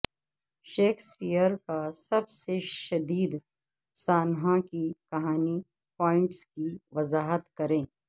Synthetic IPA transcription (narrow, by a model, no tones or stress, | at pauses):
ʃeːkʰspijəɾkasɐbseʃɐd̪iːd̪ | saːnɦãkikɐɦaːni | pɔːɪ̃ɳʈskiʋɐzaːɦət̪kɐɾẽː